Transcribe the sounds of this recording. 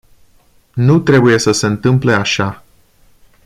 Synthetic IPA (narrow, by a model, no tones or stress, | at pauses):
nut̪ɾe̞buje̞səse̞ɨnt̪ɨmple̞aʃa